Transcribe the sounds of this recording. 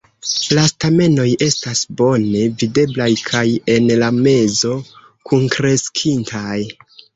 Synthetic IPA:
lastame̞no̞je̞stasbo̞ne̞vide̞blajkʰaje̞nlame̞zo̞ | kunkɾe̞skʰintʰaj

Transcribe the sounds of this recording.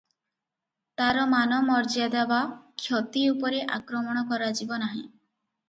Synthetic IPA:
t̪aɾɔmanɔmɔɾd͡ʒad̪abakʰjot̪iupɔɾeʔa̰kɾɔmɔɽ̃ɔkɔɾad͡ʒibɔnaɦĩ

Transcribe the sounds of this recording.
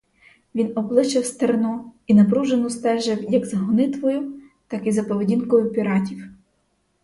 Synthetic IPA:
ʋʲinɔblˠɪʃt͡ʃɪwst̪ernɔinɐpɾuʒenʊst̪ɛʒɪwjɐɡzɐɦɔnɪt̪ʋɔjʊ | t̪ɑkizɐpɔʋedʲinkɔjʊpʲiɾɑtʲiw

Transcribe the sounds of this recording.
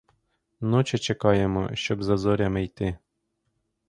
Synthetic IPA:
nɔt͡ʃɪt͡ʃekɑjemɔ̰ʃt͡ʃɔbzɐzɔɾʲɐmejt̪ɪ

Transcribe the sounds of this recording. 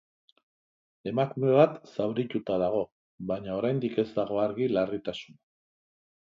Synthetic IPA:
e̞makume̞β̞at̪sawɾit̪ut̪aðaɣ̞o̞ | βaɲao̞ɾajnd̪ike̞zd̪aɣ̞o̞aɾɣilarit̪asuna

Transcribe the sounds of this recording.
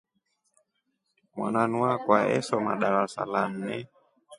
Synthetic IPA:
mwa̰nanuakwaɛsɔma̰ɗaɾasa̰lan̩nɛ

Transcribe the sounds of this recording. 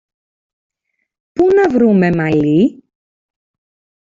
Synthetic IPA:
punɐvɾume̞mɐli

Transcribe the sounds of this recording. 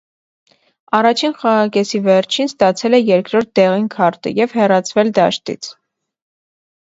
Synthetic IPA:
ɑrɑt͡ʃʰinχɑʁɑkɛsivɛɾt͡ʃʰinst̪ɑt͡sʰɛlɛjɛɾkɾɔɾt̪̚d̪ɛʁinkʰɑɾt̪ə̰jɛvhɛrɑt͡sʰvɛld̪ɑʃt̪ḭt͡sʰ

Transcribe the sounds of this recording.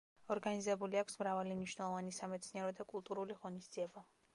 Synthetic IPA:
ɔɾɡanizɛbuliakʰʷsmɾavalimniʃnɛlˠɔvanisamɛt̪sʰniɛɾɔd̪akʼulˠt̪ʼuɾuliʁɔnisd̪ziɛba

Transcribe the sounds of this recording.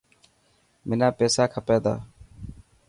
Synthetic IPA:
mɪnaːpeːsaːkʰəpeːd̪a̰ː

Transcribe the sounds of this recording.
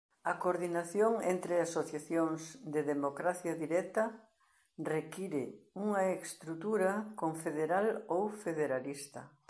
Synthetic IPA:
ɐkoɾðinaθjoŋent̪ɾɪasoθjaθjoŋzd̪eðemokɾaθjaðiɾɛt̪ɐ | rekiɾɪuŋɐekst̪ɾut̪uɾakoɱfeðeɾalowfeðeɾalist̪ɐ

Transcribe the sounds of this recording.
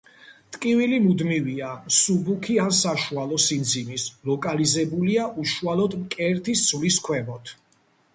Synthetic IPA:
t̪ʼkʼivilimud̪miviasubukʰiansaʃualˠɔsind̪zinislɔkʼalizɛbuliaʔuʃualɔd̪mkʼɛɾt̪ʰist̪sʰliskʰwɛmɔt̪ʰ

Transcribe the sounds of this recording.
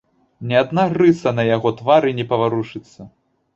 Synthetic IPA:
nʲɛad̪naɣrɨsɐnɐjaɣɔt̪vaɾɨnʲɛpɐvaɾuʂɨt̪sːɐ

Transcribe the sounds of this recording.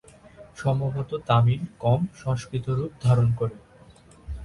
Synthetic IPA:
ʃɔmboɦot̪ot̪amiɾkɔmʃɔ̃ŋʃkɾit̪oɾup̚d̪ʱaɾonkoɾe

